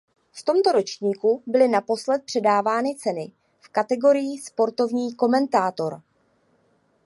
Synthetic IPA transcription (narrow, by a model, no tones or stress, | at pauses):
ft̪o̞mt̪o̞ɾo̞t͡ʃɲiːkubɪlɪnapo̞slɛt̪̚pr̝̥ɛdaːvaːnɪt͡sɛnɪ | fkat̪ɛɡo̞ɾɪjiːspo̞ɾt̪o̞vɲiːko̞mɛnt̪aːt̪o̞ɾ